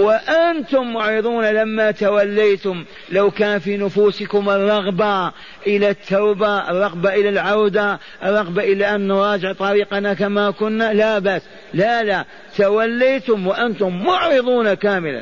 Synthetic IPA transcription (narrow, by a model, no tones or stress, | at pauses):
waʔant̪ʊmːʊʕɾɨðˤuːnalamːat̪awalːajt̪ʊm | lawkaːnfiːnʊfuːsɪkʊmɨrˤːɑɣba | ʔɪlat̪ʰːawbarˤːɑɣbaʔɪlalʕawd̪a | ʔɨrˤːɑɣbaʔɪlaʔanːʊɾˤɑːd͡ʒɪʕt̪ˤɑɾiːqɑnakamakʊnːalabaʔs | lala | t̪awalːiːt̪ʊmwaʔant̪ʊmːʊʕɾɨðˤuːnakaːmɪla̰n